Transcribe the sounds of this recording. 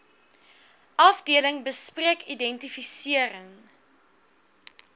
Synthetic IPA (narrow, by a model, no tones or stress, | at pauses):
ʔɐfdiələŋbəspriəkidɛntifisiəɾəŋ